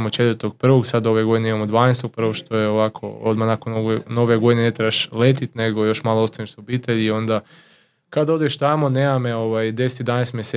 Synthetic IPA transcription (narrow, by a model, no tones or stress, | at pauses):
mot͡ʃe̞t̪ʋəɾt̪oɡ̚pr̩ʋo̞ɡsad̪o̞ʋeɡo̞d̪ineimamod̪ʋaːnest̪oɡ̚pr̩ʋoɡʃt̪o̞jeoʋakʰo̰o̞d̪manakonoeno̞ʋeɡo̞d̪inene̞t̪ɾeaʃle̞t̪it̪ʲne̞ɡojo̞ʃmaːlˠoost̪aniʃsobiːt̪eʎio̞nd̪a | kad̪o̞d̪eʃt̪amo̞neːmameo̞ʋajd̪eset̪id̪anest̪mʲjese